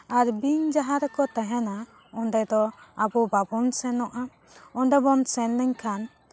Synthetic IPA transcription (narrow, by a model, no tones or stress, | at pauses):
aɾbiɲd͡ʒaɦaɾkɔt̪aɦɛna | ɔɳɖɛd̪ɔabɔbabɔnsɛnɔʔa | ɔɳɖɛbɔnsɛnlɛɲkʰan